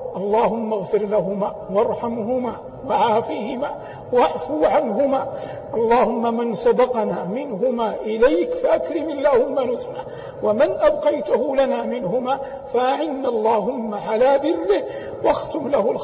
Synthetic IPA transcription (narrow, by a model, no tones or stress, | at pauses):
ʔɑlˤːɑːhʊmːaɣfɪɾlaɦʊmaːwɑɾˤħamɦʊmaː | waʕaːfiːhɪmaː | waʕfuːʕanɦʊmaː | ʔɑlˤːɑːhʊmːamɪnsˤɑd̪ɑqɑnaːmɪnɦʊmaːʔɪlajkfaʔakɾɪmalːaːhʊmːaɾʊzma | wamɪnʔabqɑjt̪ʊɦʊlanaːmɪnhʊmaː | faʔaʕɪnːlˤːɑːɦʊmːaʕalaːðɪrːɪh | waxt̪ʊmlahʊl